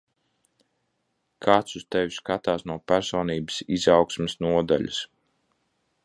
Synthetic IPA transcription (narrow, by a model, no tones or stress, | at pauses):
kʰaːt̪sust̪ɛvʲiskat̪aːsnuɔpæɾsɔːniːbəsizawksmɛsnuɔd̪a̰lʲṵs